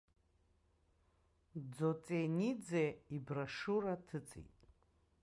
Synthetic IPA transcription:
d͡zot͡sʼenid͡zeibraʂuɾatʰɨt͡sʼḭtʼ

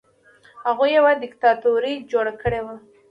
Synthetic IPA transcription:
haɣujawad̪ɪkt̪ɑt̪uɾid͡ʒoɽakəɽewa

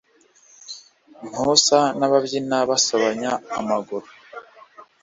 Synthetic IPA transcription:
m̥husanaβabɟinaβasoβaɲaːmaɡuɾo

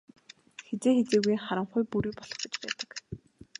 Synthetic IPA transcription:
xet͡seːxet͡seːɣujχaɾə̆ɴχʊjpuɾiːpɔɮ̥ɞ̆χɡĕt͡ɕpæːt̪ə̥̆k

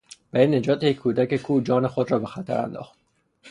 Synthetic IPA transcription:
bæenːe̞d͡ʒɒːt̪ʰejecʰʲːuːd̪æcekʰuːd͡ʒɒːnexod̪rɒːbe̞xæt̪ʰæ̰ɾæ̰nd̪ɒ̰ːxt̪̚

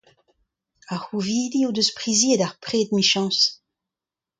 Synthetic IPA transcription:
ahuviːdiud̪øspʁiziedaʁpʁeːd̪miʃɑ̃ːs

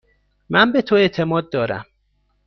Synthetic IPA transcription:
mænbet̪ʰoe̞t̪ʰemɒːd̪̚ːɒːɾæ̰m

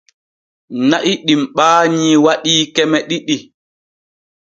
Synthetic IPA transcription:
naʔiɗimɓaːɲiwaɗiːkɛmɛɗiɗi

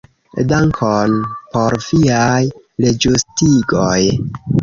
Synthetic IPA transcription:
daŋkʰonpoɾviaj | led͡ʒustiɡoj

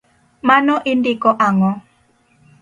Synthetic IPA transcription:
manɔʔindikɔʔaŋɔ

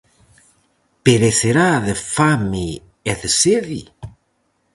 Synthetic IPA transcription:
peɾeseɾaðefami | eðeseði

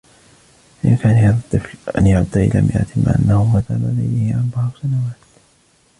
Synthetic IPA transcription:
ʔɪ̰nkaːnihaːðat̪ˤːɨflʔanjaʕʊd̪ːaʔɪ̰la̰mʔɪʔʔat̪ʰɪmːa̰ʔa̰nːahʊmaθalalajlɪhɪʕanbɑʕɾˤsanawaːt̪

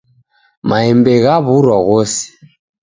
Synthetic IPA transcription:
maɛmbɛɣaβuɾwaɣɔsi̥

